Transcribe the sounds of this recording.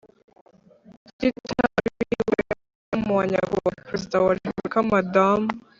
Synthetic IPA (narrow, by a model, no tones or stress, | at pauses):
titʰaɾiwe | amuwaɲa̰ɡowapɾezidawaʒuukamadam